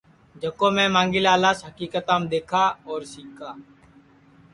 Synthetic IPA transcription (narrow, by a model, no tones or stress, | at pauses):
d͡ʒəkõːmẽːmãːŋɡɪlaːlaːsɦəkiːkət̪ãːmd̪eːkʰaːɔːɾsiːkʰaː